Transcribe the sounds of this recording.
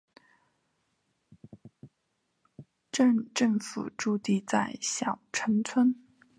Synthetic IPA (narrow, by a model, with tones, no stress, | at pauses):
ʈ͡ʂə˥˧ŋʈ͡ʂə˥˩ŋfṵ˨˩ʈ͡ʂu˥˧t̪i˥˧t͡sa˥˩ɪɕjɑ˨˩ʊʈ͡ʂʰə˧˥nt͡sʰwə˥n